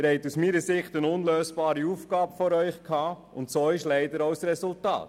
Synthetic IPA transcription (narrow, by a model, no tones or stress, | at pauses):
ɾhɛɪtusmiːɾəsɪχtənʊnløːsb̥ɑːɾiuːfɡ̥ɑːbəfɔɾœʏχkʰhɑː | ʊntsoːɪʃlɛɪdəɾɔʊsɾɛsʊltɑ̰ːt